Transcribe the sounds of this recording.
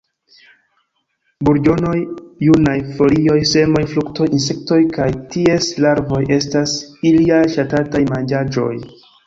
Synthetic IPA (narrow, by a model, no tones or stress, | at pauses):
buɾd͡ʒo̞no̞jːunajfo̞lio̞jse̞mo̞jflukto̞jinse̞k̚to̞jkajtie̞slaɾvo̞jʔe̞stasiliajʃatatajmand͡ʒad͡ʒo̞̰j